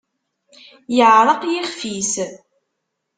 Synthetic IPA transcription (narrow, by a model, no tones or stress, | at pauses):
jəʕɾˤɑqjiχfis